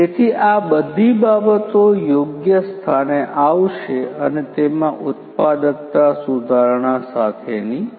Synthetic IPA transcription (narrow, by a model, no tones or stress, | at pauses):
et̪ʰiʔabəd̪ʱibabət̪ojoɡjəst̪ʰaneʔaʋʃeənet̪emãʔʊt̪pad̪ək̚t̪asud̪ʱaɾɳasat̪ʰeni